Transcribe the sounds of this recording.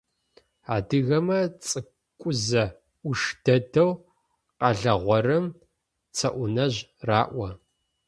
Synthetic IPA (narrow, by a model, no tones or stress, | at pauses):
aːdɨɣɐmɐt͡sʼɨ | kʷʼʊzɐ | ʊʂd̥ɐdɐw | qɐɮɐʁʷɔrɨm | t͡sʰɐʔʷʊnɐʑraːʔʷɐ